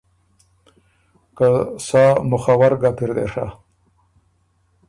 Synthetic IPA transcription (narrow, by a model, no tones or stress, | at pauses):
kasaːmʊχawaɾɡapiɾd̪ḛʂa̰